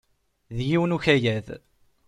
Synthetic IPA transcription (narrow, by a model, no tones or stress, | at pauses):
ðjiwənuçæjæð